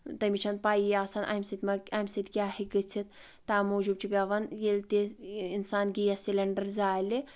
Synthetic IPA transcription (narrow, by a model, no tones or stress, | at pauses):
t̪ɐmit͡ʃʰɐnpaːiaːsɐnʔɐ̰msit̪ʲmɐɐmsit̪ʲkʲaːhiɡɨt͡sʰit̪̚ | t̪aːmoːd͡ʒuːb̚t͡ʃʰipʲaːʋɐnjelt̪iinsaːnɡijɐsilʲɐɳɖɐɾzaːli